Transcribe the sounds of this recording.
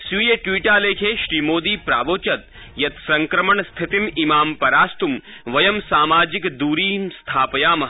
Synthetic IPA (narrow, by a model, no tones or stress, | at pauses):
sujeʈwiːʈaːleːkʰeːʃɾiːmoːd̪iːpɾa̰ːʋoːt͡ʃɐt̪̚ | jɐt̪sɐŋkɾɐmɐɳst̪ʰit̪imimaːmpɐɾaːst̪um | ʋɐjɐmsaːmaːd͡ʒikd̪uːɾiːmst̪ʰaːpɐjaːmɐ